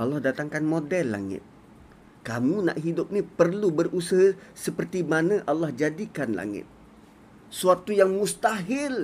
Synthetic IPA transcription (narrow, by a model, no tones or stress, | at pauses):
ʔalɑhdat̪aŋkanmodɛlːa̰ŋɪ̰t̪̚ | kamũna̰ʔɦidʊp̚nipərlubərʔusəɦasəpərt̪imanãʔalːahd͡ʒadikanla̰ŋɪ̰t̪̚ | suat̪ujaŋmust̪aɦɪl